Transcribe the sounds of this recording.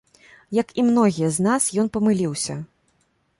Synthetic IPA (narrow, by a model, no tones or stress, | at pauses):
jɐkimnɔɣʲijɐznasjɔnpɐmɨlʲiwsʲɐ